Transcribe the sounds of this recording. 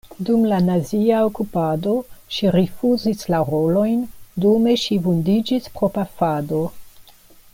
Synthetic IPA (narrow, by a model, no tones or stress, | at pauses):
dumlanaziaokupado̞ʃiɾifuzislaɾo̞lo̞jndome̞ʃivundid͡ʒispɾopafado̞